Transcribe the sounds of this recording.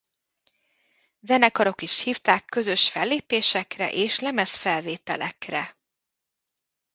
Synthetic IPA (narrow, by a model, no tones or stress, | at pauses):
zɛnɛkɒɾo̞kiʃhiːft̪aːkːø̞zø̞ʃfɛlːeːpeːʃɛkrɛ̰ʔeːʃlɛmɛsfɛlveːt̪ɛlɛkrɛ